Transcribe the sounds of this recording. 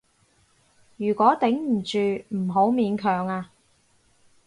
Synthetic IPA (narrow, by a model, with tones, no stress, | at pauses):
jyː˨˩kʷɔː˨˥t̪ɪ˨˥ŋm̩˨˩t͡ʃyː˨m̩˨˩ɦo˨˥wmiː˨˧nkʰœː˨˩ŋaː˧